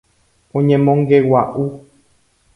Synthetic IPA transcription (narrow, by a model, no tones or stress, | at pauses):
õɲẽmõŋɡewaʔu